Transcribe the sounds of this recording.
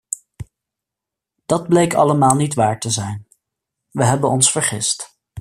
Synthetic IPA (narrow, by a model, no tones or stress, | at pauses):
d̥ɑd̚blejkɑ̰ləmaːlˠnitʋaːɹtəzɛjn | ʋəɦɛbənɔnsfəɹχɪst